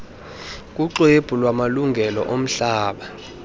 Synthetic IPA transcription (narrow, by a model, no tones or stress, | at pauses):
k̬ʼuǁeb̥ʱulwamaluŋɡʱɛlɔ̰ʔom̩ɬaːɓa